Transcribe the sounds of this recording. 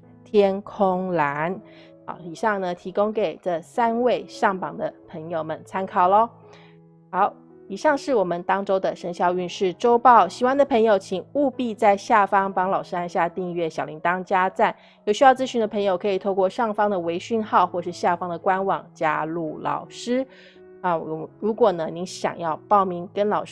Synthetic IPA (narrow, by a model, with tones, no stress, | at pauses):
t̪ʰjɛ˥nkʰo˥ŋla˧˥n | xɑ̰˧˥ʊi˨˩ʂɑ˥˩ŋnə˩t̪ʰi˧˥ko˥ŋke˨˩ɪʈ͡ʂɤ˥˧sa˥nwe˥˧ɪʂɑ˥˩ŋpɑ˨˩ŋd̪ə˦pʰə˧˥ŋjo˨ʊmə˨˩nt͡sʰa˥nkʰɑ˨˩ʊlə˦ | xɑ˨˧˦ʊ | i˨˩ʂɑ˥˧ŋʂɻ̩˥˩wɔ˨˩mə˨˦nt̪ɑ˥ŋʈ͡ʂo˥ʊd̪ə˨ʂə˧˥ŋɕjɑ˥˧ʊy˥˧nʂɻ̩˥˩ʈ͡ʂo˥ʊpɑ˥˩ʊɕi˨˥wa˥nd̪ə˨pʰɤ˧˥ŋjo˧ʊt͡ɕʰi˨˩ŋu˥˧pi˥˧t͡sa˥˧ɪɕja˥˩fɑ˥ŋpɑ˧˥ŋlɑ˨˩ʊʂɻ̩˥a˥nɕja˥˧t̪i˥˧ŋɥɛ˥˩ɕjɑ˨˩li˧˥ŋt̪ɑ˥ŋt͡ɕja˥t͡sa˥˩n | jo˨˩ʊɕy˥jɑ˥˧ʊt͡sɹ̩˥ɕy˧nd̪ə˧pʰɤ˧˥ŋjo˨˧ʊkʰɤ˧˥i˨˩t̪ʰo˥˧ʊkwɔ˥˧ʂɑ˥˩ŋfɑ˥ŋd̪ə˨we˧˥ɪɕy˥˧nxɑ˥˧ʊxwɔ˥˩ʂɻ̩˥˧ɕja˥˩fɑ˥ŋd̪ə˨˩kwa˥nwɑ˨˩ŋt͡ɕja̰˥lu˥˩lɑ̰˨˩ʊʂɻ̩˥ | ə˧˩˨ɻu˧˥kwɔ˨˩nə˦ni˧˥nɕjɑ̰˨˩ŋjɑ˥˧ʊpɑ˥˩ʊmi˧˥ŋkə˥nlɑ˨˩ʊʂ